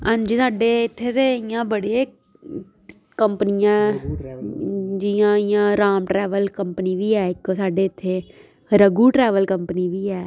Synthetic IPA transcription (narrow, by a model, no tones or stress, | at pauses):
ənd͡ʒisaːɖeːɪt̪ʰːeːt̪eːɪjãːbəɽeː | kəmpənɪjã | d͡ʒɪjãːɪjãːɾaːmʈɾɛːʋəlkəmpəniːʋiːɛːɪkːsaːɖeːɪt̪ʰːeː | ɾəɡuːʈɾɛːʋəlkəmpəniːʋiːɛː